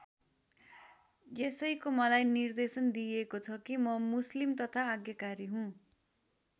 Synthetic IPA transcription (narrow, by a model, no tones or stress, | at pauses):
jesʌjkomʌlajnird̪esʌnd̪iekot͡sʰʌkimʌmuslimt̪ʌt̪ʰaːɡjʌkaɾiɦũ